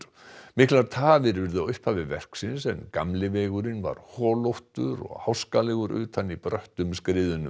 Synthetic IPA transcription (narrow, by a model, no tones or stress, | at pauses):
mɪhklaɾt̪ʰaːvɪɾvɪɾðʏʏhphaːvɪðvɛr̥ksɪnsɛnkamlɪvɛːɣʏɾɪnva̰ɾ̥hɔːlowht̪ʏɾɔ̰ɣhawskalɛɣʏɾʏ̰ːt̪ʰanːipɾœht̪ʏmskɾɪːðʏnʏ